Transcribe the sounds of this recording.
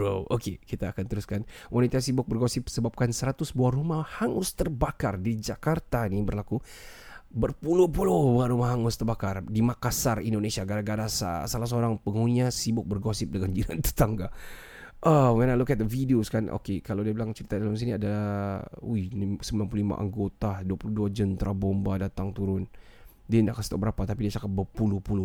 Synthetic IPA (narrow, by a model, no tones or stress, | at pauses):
okekit̪aːkant̪əɾuskanwʔanit̪asibʊk̚bərɡosɪp̚səbap̚kansəɾat̪ʊsbuahrumahhaŋʊst̪ərbakardid͡ʒakart̪anibərlaku | bərpuluhpulobuahɾumahɦaŋʊst̪ərbakardimakasarindonesiaɡaɾaɡaɾasa̰salas̬əoɾaŋpəŋuniasibʊk̚bərɡɔsɪp̚dəŋand͡ʒilant̪ə̥t̪aŋɡa | ʔəmanalukat̪afideoskanʔo̰kekalawdiabilaŋt͡ʃəɾit̪adalams̬iniada | unisəmbilanpulolima̰ʔa̰ŋɡot̪aduapuluhduad͡ʒənt̪ɾʔabombadat̪aŋt̪uɾʊn | diandaʔkansət̪a̰ʔ̚bəɾapat̪apidiat͡ʃakat̪̚bərpulʊhpulʊ